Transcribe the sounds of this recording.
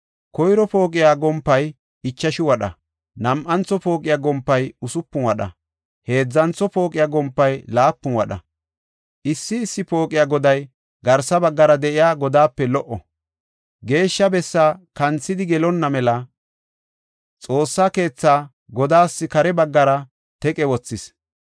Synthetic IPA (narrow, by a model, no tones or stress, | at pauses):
kɔjɾɔpoːkʼɪjaːɡɔmpːɐj | ɪt͡ʃːɐʃɪwɐɗɐ̰ | nɐmʔɐnt͡sːɔpo̞ːkʼɪjaːɡɔmpːɐjʊsʊpːʊnwɐɗɐ̰ | he̞ːd͡zːɐnt͡sːɔpo̞ːkʼɪjaːɡɔmpːɐjlaːpːʊnwɐɗɐ̰ | ʔɪsːɪːsːɪpo̞ːkʼɪjaːɡɔd̪ɐj | ɡɐɾsɐbɐɡːɐɾɐd̪ɛʔɪjaːɡɔd̪aːpːɛlɔʔɔ | ɡe̞ːʃːɐbɛsːaːkɐnt͡sːɪd̪ɪɡɛlɔnːɐmɛlɐ | t͡sʼo̞ːsːaːke̞ːt͡sːaː | ɡɔd̪aːsːɪkɐɾɛbɐɡːɐɾɐ | t̪ɛkʼɛwɔt͡sːɪs